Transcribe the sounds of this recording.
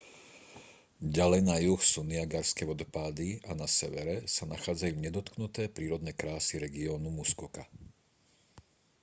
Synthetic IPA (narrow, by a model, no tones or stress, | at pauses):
ɟalɛjnajuxsuniaɡaɾskɛʋɔd̪ɔpaːd̪ianasɛʋɛɾɛsanaxaːd͡zajuːɲɛd̪ɔt̪knut̪ɛːpɾiːɾɔd̪nɛːkɾaːsiɾɛɡiɔːnumuskɔka